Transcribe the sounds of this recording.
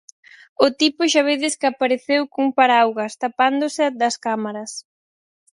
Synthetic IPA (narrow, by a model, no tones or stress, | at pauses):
ʊt̪ipʊʃaβ̞eðɪskapaɾeθewkuŋpaɾawɣɐst̪apand̪osɪad̪ɐskamaɾɐs